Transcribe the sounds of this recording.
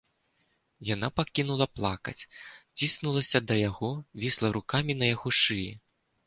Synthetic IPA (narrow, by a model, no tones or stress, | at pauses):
janapakʲinulˠɐplˠa̰kɐ̰t͡sʲt͡sʲisnulˠɐsʲɐd̪ɐjaɣɔvʲislˠɐɾukamʲinɐjaɣɔʂɨjḭ